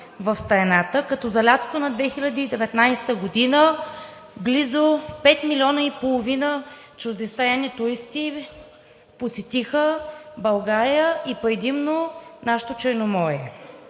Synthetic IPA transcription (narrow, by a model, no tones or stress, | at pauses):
vɐfst̪ɐɾɛnat̪əkɐt̪ɔzɐlʲat̪konɐd̪vɛxilʲɐd̪iid̪ɛvɛt̪najst̪əɡod̪inə | ɡlizopɛt̪milʲiɔnəipolˠovinə | t͡ʃʊzd̪ɛst̪ajanit̪ʊɾist̪i | posɛt̪ixəbɐlˠɡaɾijəʔipɾɛd̪imnonaʃt̪ot͡ʃɛɾnomɔjɛ